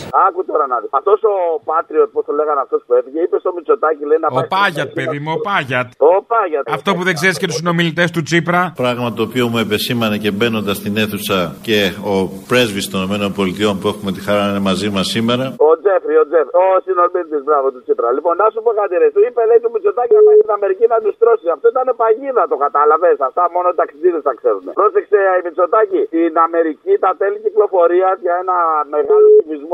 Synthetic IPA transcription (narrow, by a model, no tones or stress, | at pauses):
ɐkut̪o̞ɾɐnɐðiɐft̪o̞so̞pɐt̪ɾiot̪post̪oleɣɐnɐft̪o̞spueθiʝeipest̪omit͡ʃo̞t̪ɐcileinɐopɐʝɐt̪̚peðimuopɐʝɐt̪opɐʝɐt̪ɐft̪o̞puðeɡzeɾiscet̪ussino̞milit̪e̞st̪ut͡sipɾɐpɾɐɣmɐt̪oːpio̞mue̞pe̞simɐnece̞be̞no̞nd̪ɐst̪ine̞θusɐce̞o̞pɾe̞zvist̪oninome̞no̞nbo̞lit̪io̞npue̞xume̞t̪ixɐɾɐinemɐzimɐsime̞ɾɐo̞d͡zefɾio̞d͡zefɾosinolmind̪izbɾɐvo̞t̪ut͡sipɾɐlipo̞nnɐsupokɐt̪iɾet̪uipeðeit̪umit͡so̞t̪acieɣot̪inɐme̞ɾicinɐnist̪ɾo̞siɐft̪oit̪ɐnepaʝiðɐt̪o̞kɐt̪ɐlɐve̞sɐft̪ɐmo̞no̞it̪ɐksiðiðist̪ɐkse̞ɾune̞̰pɾo̞sekse̞imit͡so̞t̪acit̪inɐme̞ɾicit̪ɐt̪e̞liciklo̞fo̞ɾiɐʝɐe̞nɐme̞ɣalotivizmo